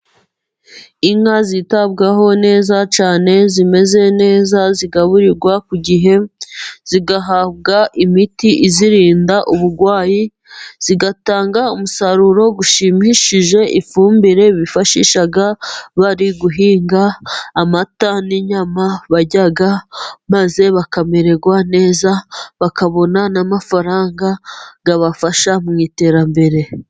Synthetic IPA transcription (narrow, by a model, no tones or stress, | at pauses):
iŋazitabɡaɦo̞ne̞ːzat͡ʃaːne̞zime̞ze̞ne̞ːzaziɡaβuɾiɾɡwakuɟiɦe̞z̥iɡaɦaβ̚ɡaʔimitiʔiziɾiːndaʔuβuɾɡwaːji | z̥iɡataːŋɡaumusaɾuɾo̞ɡuʃimiʃiʒe̞ʔifuːmbiɾe̞βifaʃḭːʃaɡaβaɾiɡuɦiːŋɡaːmataniɲamaβaɟaɡamaze̞βakame̞ɾe̞ɡwane̞ːzaβakaβo̞nanamafaɾaːŋɡaɡaβafaʃamŋiːte̞ːɾambe̞ɾe̞